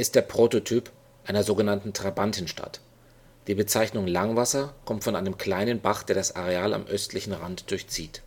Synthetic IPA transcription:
ʔɪst̚d̥eːɐpʁ̥oːtotʰyːp | ʔaɪnɐzoːɡənantn̩tʁ̥abantʰɪnʃta̰t | d̥iːbət͡saɪçnʊŋlaŋvasɐkʰɔmtfɔnʔaɪnəmkl̥aɪnənbaχd̥eːɐdasʔa̰ʁ̞eaːla̰mʔœstʰlɪçn̩ʁantd̥ʊɐçt͡siːt

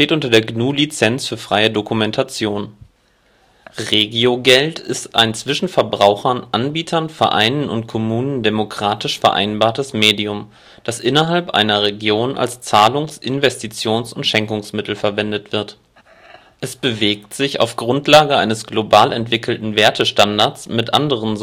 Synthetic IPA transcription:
teːtʔʊntɐdeːɐɡnuːlit͡sɛnsfyːɐfʁ̥aɪədokumɛntʰat͡sjoːn | ʁeːɡioɡɛltʰɪstʔa̰ɪnt͡sv̥ɪʃn̩fɛɐbʁaʊxɐnʔanbiːtʰɐnfɛɐʔa̰ɪnənʊ̰ntkʰɔmuːnəndemokʁ̥aːtɪʃfɛɐʔa̰ɪnbaːɐtəsmeːdiʊm | d̥asʔɪnɐɦalpʔa̰ɪnɐʁeɡjoːnʔa̰lst͡saːlʊŋsʔɪnvɛstit͡sjoːnsʊntʃɛŋkʊŋsmɪtʰl̩fɛɐvɛndətv̥ɪɐt | ʔɛsb̥əveːk̚tz̥ɪça̰ʊfɡ̥ʁʊntlaːɡəʔa̰ɪnəsɡ̥lobaːlɛntv̥ɪkʰl̩tn̩veːɐtʰəʃtandaɐt͡smɪtʔa̰ndəʁ̞ənz

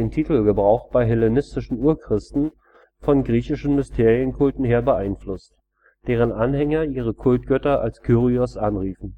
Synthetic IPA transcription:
eːntʰiːtl̩ɡəbʁaʊxb̥aɪɦɛlenɪstɪʃn̩uːɐkʁ̥ɪstn̩ | fɔnɡʁiːçɪʃn̩mɪstʰeːʁiənkʰʊltn̩heːɐbəʔaɪnflʊst | d̥eːʁ̞ənʔanhɛŋɐiːʁ̞əkʰʊltɡ̥œtɐʔa̰lskʰyːʁiɔsʔanʁiːfn̩

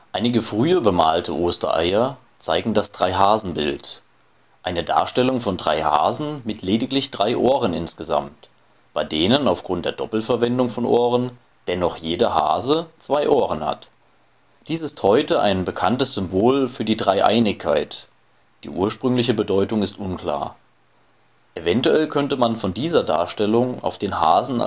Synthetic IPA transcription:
ʔaɪnɪɡəfʁ̥yːɐbəmaːltʰə̰ʔoːstɐ̰ʔa̰ɪɐ | t͡saɪɡŋ̩dasd̥ʁaɪɦaːzn̩bɪ̰lt | ʔaɪnəda̰ːɐʃtɛlʊŋfɔndʁa̰ɪha̰ːzn̩mɪtʰleːdɪklɪçd̥ʁaɪʔoːʁənɪnsɡ̥əza̰mt | b̥aɪdeːnənaʊfɡ̥ʁʊnt̚d̥eːɐd̥ɔpl̩fɛɐvɛndʊŋfɔnʔoːʁən | d̥ɛnɔχjeːdɐha̰ːzət͡sv̥aɪʔoːʁənha̰t | d̥iːsɪsthɔʏtəʔa̰ɪnbəkʰantəsz̥ʏmboːlfyːɐdiːdʁaɪʔa̰ɪnɪkʰːaɪt | d̥ḭːʔuːɐʃpʁ̥ʏŋlɪçəbədɔʏtʊŋɪstʔʊnkl̥a̰ːɐ | ʔevɛntuɛlkʰœntəmanfɔndiːzɐda̰ːɐʃtɛlʊŋa̰ʊfd̥eːnha̰ːzn̩̰

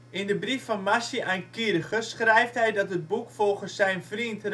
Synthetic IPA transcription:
ɪndəbrifːɑnmasjəʔankiɾəχəsχrɛjftɦɛjdɑtɦət̚bukfɔlˠχəsːɛjnvrintr

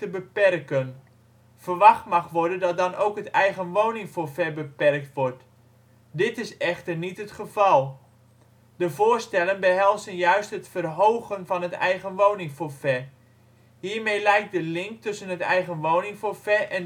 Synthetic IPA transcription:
təbəpɛrkən | fərʋɑχtmɑχʋɔɹdəndɔt̚dɑnowkɦətɛjɣənʋownɪŋfofɛbəpɛrk̚tʋʊrt | dɪtɪsɛχtərnitətχəv̥ɑlˠ | dəvoːrstɛlənbəɦɛlˠzənjœɥstɦətfərɦowɣənvɑnətɛ̰jɣənʋownɪŋfofɛ | hiːɹmejlɛjk̚dəlɪŋk̚tʏsənɦətɛ̰jɣənʋownɪŋfofɛʔɛn

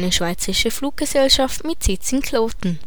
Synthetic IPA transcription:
nəʃv̥aɪt͡səʁɪʃəfluːk̚ɡ̥əzɛlʃaftmɪtsɪtt͡sɪnkʰloːtn̩

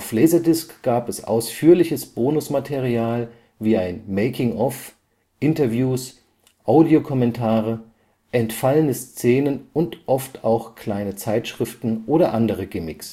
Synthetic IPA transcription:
ʊflɛːzɐdɪskɡ̥aːpɛsʔa̰ʊsfyːɐlɪçəsb̥oːnʊsmatʰeʁiaːl | viːaɪnmeɪkʰɪŋʔɔf | ʔɪntɐvjuːs | ʔaʊdiokʰɔmɛntʰaːʁ̞ə | ʔɛntfalənəst͡seːnənʊntʔɔftaʊxkʰl̥aɪnət͡saɪtʃʁ̥ɪftn̩ʔoːɾɐʔandəʁ̞əɡɪmɪks

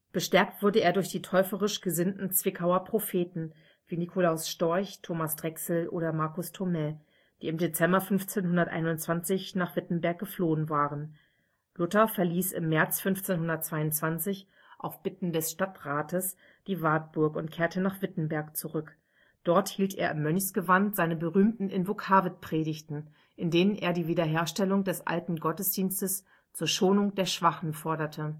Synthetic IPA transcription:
b̥əʃtɛɐk̚tv̥ʊɐdəeːɐdʊɐçd̥iːtʰɔʏfəʁɪʃɡ̥əzɪntn̩t͡sv̥ɪkʰaʊɐpʁ̥ofeːtn̩ | viːnikʰolaʊsʃtɔɐçtʰoːmasd̥ʁɛksl̩ʔo̰ːɾɐmaɐkʊstʰomɛ | d̥iːɪmdet͡sɛmbɐfʏnft͡seːnhʊndɐtʔa̰ɪnʊntt͡sv̥ant͡sɪçnaːχv̥ɪtn̩bɛɐk̚ɡ̥əfloːənvaːʁən | lʊtɐfɛɐliːsɪ̰mːɛɐt͡sfʏnft͡seːnhʊndɐt̚t͡sv̥aɪʊntt͡sv̥ant͡sɪç | ʔa̰ʊfb̥ɪtn̩dɛsʃtatʁaːtəs | d̥iːvaːt̚b̥ʊɐkʊntkʰeːɐtənaːχv̥ɪtn̩bɛɐkt͡suʁʏk | d̥ɔɐthiːltʔḛːɐʔɪmːœnçsɡ̥əvantz̥aɪnəbəʁyːmtn̩ʔɪnvokʰaːvət̚pʁ̥eːdɪçtn̩ | ʔɪndeːnənʔḛːɐdiːviːdɐɦeːɐʃtɛlʊŋdɛsʔa̰ltn̩ɡɔtəsd̥iːnstəs | t͡suːɐʃoːnʊŋd̥eːɐʃv̥aχn̩fɔɐdɐtʰə

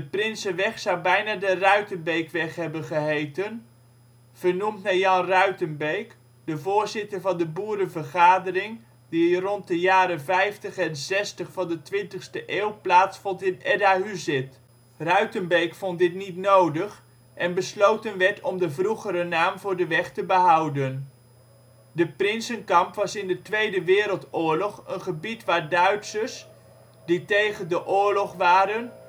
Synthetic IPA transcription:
dəprɪnsəʋɛχsawbɛjnaːdərœɥtənbejkʋɛχɦɛbənχəɦejtən | v̥ənumtnajɑnrœɥtənbejk | dəvʊːɹzɪtəɹvɑndəbuːɾəvəɹχaːdərɪŋ | dirɔnt̚dəjaːɾəvɛjftəχɛnzɛstəχfɑndətʋɪntəχstəʔeːwˠplaːtsfɔntɪnɛdaɦyzɪt | rœɥtənbɛkfɔntdɪtnitnowdəχ | ʔɛnbəslowtənʋɛɹtɔmdəvruχəɾənaːmvʊːɹdəʋɛχtəbəɦɑwdən | dəprɪnsənkɑmpʋɑsɪndətʋejdəʋɪːɾəlˠtʊːɹlɔχənχəbitʋaːɹdœɥtsəs | ditejχəndəʔʊːɹlɔχʋaːɾən

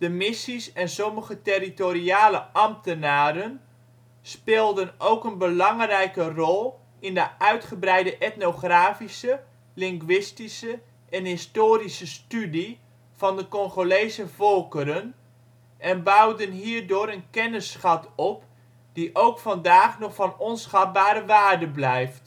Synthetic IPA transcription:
d̥əmɪsisɛnsɔməχətɪritoɾiaːləʔɑmtənaːɾən | spɪːlˠdənowkənbəlɑŋrɛjkərɔlˠ | ɪndəʔœɥtχəbrɛjdəʔɛtnoχraːfisə | lɪŋɡʋɪstisə | ʔɛnɦɪstoːɾisəstydi | v̥ɑndəkɔŋχolejsəvɔlˠkəɾən | ʔɛnbawdənɦiːrdʊːɾənkɛnəsχɑtɔp | d̥iʔowkfɑndaːχnɔχfɑnɔnsχɑt̚baːɾəʋaːrdəblɛjft

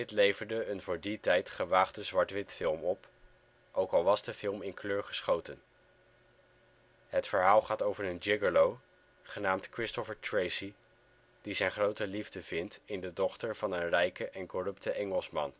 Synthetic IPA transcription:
dɪtlejvəɹdəːnvʊːɹditɛjtχəʋaːχdəzʋɑɹtʋɪtfɪlˠmɔp | ʔowkɑlˠʋɑzdəfɪlˠmɪnkløːɹχə̥sχowtən | ɦətfəɹɦaːlˠχaːtowvəɹənd͡ʒɪɡəlow | χənaːmtkrɪstɔfəɹtɹejsi | d̥izɛjnχrowtəlivdəv̥ɪntɪndədɔχtəɹvɑnənrɛjkəʔɛnkɔrɵptəʔɛŋəlˠsmɑ̰n

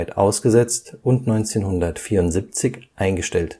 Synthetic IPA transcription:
ɪtʔa̰ʊsɡ̥əzɛt͡stʊntnɔʏnt͡seːnhʊndɐtfiːɐʁʊntz̥ip̚t͡sɪçʔaɪnɡəʃtɛlt

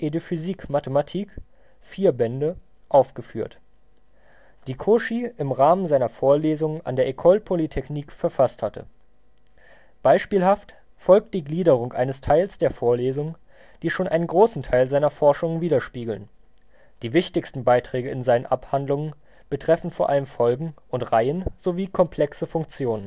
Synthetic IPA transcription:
ʔedofyziːkmatəmatʰiːk | fiːɐbɛndə | ʔaʊfɡ̥əfyːɐt | d̥iːkʰoʃiʔɪmʁaːmənzaɪnɐfoːɐleːzʊŋənʔa̰ndeːɐʔekʰɔlpʰolitʰɛçniːkfɛɐfasthatʰə̰ | b̥aɪʃpiːlɦaft | fɔlk̚t̚d̥iːɡliːdəʁ̞ʊŋʔa̰ɪnəstʰaɪlsd̥eːɐfoːɐleːzʊŋ | d̥iːʃoːnʔa̰ɪnənɡʁoːsn̩tʰaɪlzaɪnɐfɔɐʃʊŋviːdɐʃpiːɡl̩n | d̥iːvɪçtɪçstn̩baɪtʁ̥ɛːɡəɪnzaɪnənʔaphandlʊŋən | b̥ətʁ̥ɛfn̩foːɐʔaləmfɔlɡŋ̩ | ʊntʁaɪənz̥oviːkʰɔmpʰl̥ɛksəfʊŋk̚t͡sjoːnən

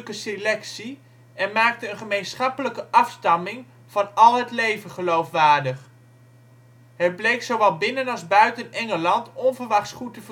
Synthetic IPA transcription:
kəselɛksi | ɛnmaːk̚təənχəmejnsχɑpələkəʔɑfstɑmɪŋ | v̥ɑnɑlˠɦətlejvənχəlowfʋaːɹdəχ | ɦət̚blejksowʋɛlˠbɪnənɑlˠzbœɥtənɛŋəlɑntɔnvəɹʋɑχtsχutəvə

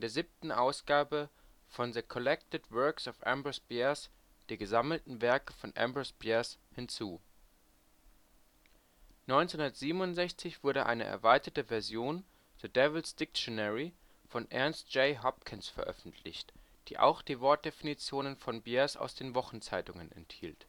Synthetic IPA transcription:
ɪndeːɐziːp̚tn̩ʔaʊsɡ̥aːbə | fɔnðəkʰɔlɛk̚tətvœɐksɔfʔɛ̰mbəsb̥ɛːɐs | d̥iːɡəzaml̩tn̩vɛɐkəfɔnʔɛ̰mbʊsb̥ɛːɐshɪnt͡suː | nɔʏnt͡shʊndɐtz̥iːbənʊntzɛçt͡sɪçv̥ʊɐɾəʔa̰ɪnə̰ʔɛ̰ɐvaɪtɐtəvɛɐzjoːn | d̥ədɛvl̩sd̥ɪk̚ʃjonɛʁi | fɔnʔɛɐnst̚d͡ʒ̥eɪɦɔp̚kʰɪnsfɛɐʔœ̰fn̩tʰlɪ̰çtd̥ḭːʔa̰ʊxd̥iːvɔɐt̚d̥efinit͡sjoːnənfɔnbɛːɐsa̰ʊsd̥eːnvɔχn̩t͡saɪtʊŋənɛ̰nthḭːlt

